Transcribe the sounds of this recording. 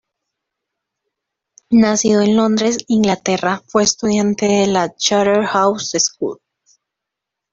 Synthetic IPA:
nasiðo̞e̞nlo̞nd̪ɾe̞siŋɡlat̪e̞rafwe̞ːst̪uðjant̪e̞ðelat͡ʃaɾeɾxawseskṵð

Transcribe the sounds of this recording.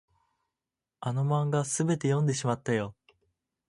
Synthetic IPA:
ano̞mãŋɡasɨbe̞t̪e̞jõ̞nd̪e̞ɕimat̪ːajo̞

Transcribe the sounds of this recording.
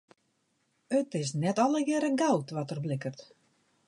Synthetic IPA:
ətɪs̬nɛtɔləjɛɾəɡawtʋɔtərblɪkərt

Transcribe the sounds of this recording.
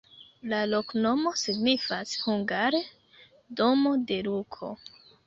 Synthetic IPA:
lalo̞kno̞mo̞siɡnifashuŋɡaɾe | domo̞de̞ɾukʰo̞̰

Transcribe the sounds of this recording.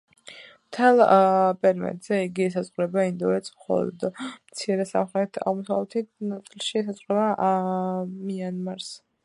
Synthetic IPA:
mt̪ʰɛlˠpʼɛɾmɛ̰t̪z̥ɛiɡisazʁɾɛbaind̪ɔɛt̪smχɔ̰lˠɔ̰d̪mt̪sʰiɾɛsa̰mχɾɛt̪ʰa̰ʁmɔsavlɛt̪ʰinat̪sʼilˠʃisasʼʁʼɛba | mianmaɾs

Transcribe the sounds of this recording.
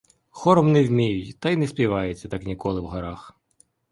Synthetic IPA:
xɔɾɔmnɛwʲmʲijʊjt̪ɑjnɛspʲiʋɑjet͡sʲːɐt̪ɑknʲikɔlˠɪwɦɐɾɑx

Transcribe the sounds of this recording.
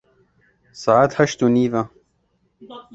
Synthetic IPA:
saʕat̪hɐʃt̪uniːva

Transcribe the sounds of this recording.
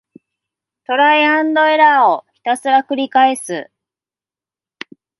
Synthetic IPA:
t̪o̞ɾaiãnd̪o̞e̞ɾaoçi̥t̪asɨɾakɯ̟ɾʲikaesɨ

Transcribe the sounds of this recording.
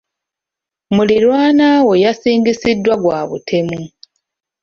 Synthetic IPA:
mulilwaːnawejasiːŋɡisidːwaɡwaːβṵtʰe̞mu

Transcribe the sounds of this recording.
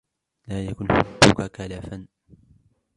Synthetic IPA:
laːjakʊnħʊdːʊkakalafan

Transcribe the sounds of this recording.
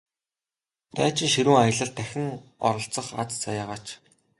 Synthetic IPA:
t̪æːt͡ɕɪ̆ŋʃiɾuːŋajə̆ɮə̆ɮt̪ʰːæxʲɪ̆ŋɔ̰ɾɞ̆ɬt͡sə̆χa̰t͡st͡sajaːʁaːt͡ɕ

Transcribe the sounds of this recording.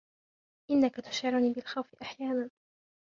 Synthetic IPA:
ʔɪnːakat̪ʊ̥ʃʕɪɾʊniːbɪlxawfɪʔaħjaːnan

